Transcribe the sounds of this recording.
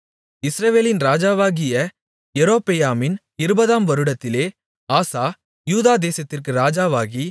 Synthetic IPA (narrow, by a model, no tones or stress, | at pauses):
ɪsɾɐʋeːlɪnɾaːd͡ʒaːʋaːɣɪjɐ | jɛɾoːpɛjaːmɪn | ɪɾɯbɐðaːmʋɐɾɯɽɐt̪ːɪleː | aːsaː | juːðaːd̪eːsɐt̪ːɪrkɯɾaːd͡ʒaːʋaːɣi